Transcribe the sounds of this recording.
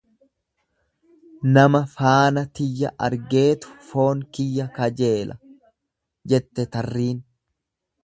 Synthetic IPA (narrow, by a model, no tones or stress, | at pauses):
nɐmɐfaːnɐt̪ɪjːɐ̰ʔɐ̰ɾɡe̞ːt̪ʊ̥fo̞ːŋkɪjːɐkɐd͡ʒe̞ːlʔɐ̰ | d͡ʒɛt̪ːɛt̪ɐrːiːn